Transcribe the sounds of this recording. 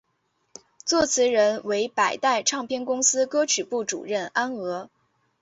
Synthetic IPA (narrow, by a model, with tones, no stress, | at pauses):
t͡swɔ˥˩t͡sʰɹ̩˧˥ɻə˧˥nwe˧˥ɪpa˨˩ɪt̪a˥˧ɪʈ͡ʂʰɑ˥˧ŋpʰjɛ˥˧nkʊ˥ŋsɹ̩˥kɤ˥t͡ɕʰy˨˩pu˥˩ʈ͡ʂṵ˨˩ɻə˥˩na˥nɤ˧˥